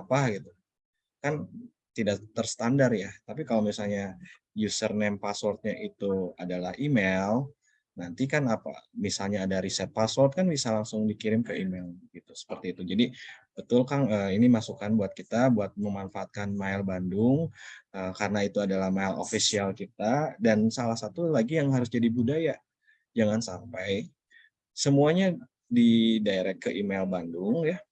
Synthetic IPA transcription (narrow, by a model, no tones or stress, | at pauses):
apaɡit̪u | kan | t̪idakt̪ərsə̥t̪andarjat̪apikalowmisalɲa | jusərnɛmpaswɔrt̪̚ɲaʔit̪uadalahimel | nant̪ikanapa̰misalɲaːdaɾisɛt̪̚paswɔrt̪̚kanbisalaŋsʊŋdikiɾɪmkəimɛlɡ̥it̪u̥sə̥pərt̪iːt̪ud͡ʒadib̥ət̪ʊlkanəːinimasukanbuat̪̚kit̪abuat̪̚məmanfaːt̪̚kanmailbandʊŋəkaɾənait̪uadalahmaɪlo̰fisialkit̪̚adansalahsat̪ulaɡijaŋɦaɾʊsd͡ʒadibudaja | d͡ʒaŋansampaj | səmuaɲa | didaeɾɛkːəʔimelbandʊŋja